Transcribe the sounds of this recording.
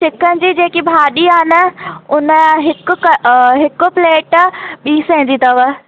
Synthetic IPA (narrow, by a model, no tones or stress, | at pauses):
ʃɪkənɪ̆d͡ʑiːd͡ʑeːkibʱaːɗiaːɦɪnə̆ʊnəɦɪkʊkɦɪkʊ̆pleːʈɓiːsɛ̃ɦɪ̃ndiːt̪ɐʋə